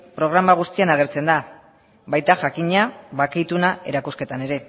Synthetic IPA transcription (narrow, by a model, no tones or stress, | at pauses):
pɾo̞ɣ̞ɾamaɣ̞ust̪ianaɣ̞e̞ɾt͡se̞nd̪a | bajt̪aʝakiɲaβakajt̪unaʔe̞̰ɾakuske̞t̪ane̞ɾe̞